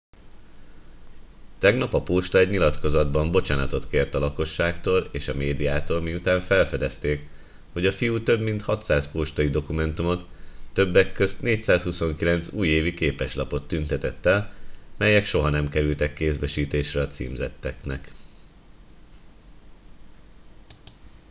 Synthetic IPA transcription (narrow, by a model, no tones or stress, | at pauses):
t̪ɛɡnɒpɒpoːʃt̪ɒɛɟɲilɒt̪ko̞zɒd̪bɒmbo̞t͡ʃaːnɒt̪o̞t̪keːrt̪ɒlɒko̞ʃːaːkt̪oːleːʃɒmeːd̪ijaːt̪oːlmiut̪aːɱfɛlfɛd̪ɛst̪eːk | ho̞ɟɒfijuːt̪ø̞bmint̪hɒt̪saːspoːʃt̪ɒid̪o̞kumɛnt̪umo̞t̪ːø̞bːɛkːø̞st̪neːcsaːshuso̞ŋkilɛnt̪suːjeːvikeːpɛʃlɒpo̞t̪ːynt̪ɛt̪ɛt̪ːɛlmɛjɛkʃo̞ɦɒnɛmkɛɾylt̪ɛkːeːzbɛʃiːt̪eːʃrɛɒt̪sḭːmzɛ̰t̪ːɛknɛ̰k